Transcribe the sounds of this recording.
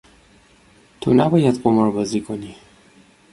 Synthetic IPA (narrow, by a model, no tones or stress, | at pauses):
t̪ʰo̰næbɒjad̪qomɔɾbɒzikʰoni